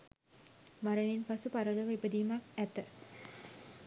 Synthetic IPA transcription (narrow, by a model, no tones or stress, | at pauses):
maɾəninpasupaɾələʋəibəd̪iːmakæt̪ə